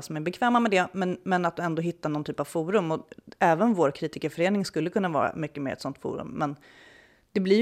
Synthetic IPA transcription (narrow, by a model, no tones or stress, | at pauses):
sɔmæɾbɛkʰvɛːmamɛd̪ɛmɛnmɛnat̪̚d̪ɔɛnd̪oːɦɪt̪ːaɳɔnt̪ʰyːpav̥fuːɾɵmɔɛːvənvoːɾkʰɾiːt̪ɪkəɾfœɾeːnɪŋskɵlːəkʰɵnːavɑ̰ːɾa̰mʏkːəmeːɾɛt̪sɔnt̪fṵːɾɵ̰mːɛn | d̪̥ɛblɪ